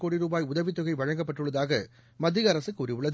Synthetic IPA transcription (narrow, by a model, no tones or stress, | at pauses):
koːɽiɾuːbaːjʊðɐʋɪt̪ːʊɣɐɪʋɐɻɐŋɡɐpːɐʈːɯɭːɐðaːɣɐ | mɐd̪ːɪɣɐɐɾɐsɯkːʊɾɪʋɯɭːɐð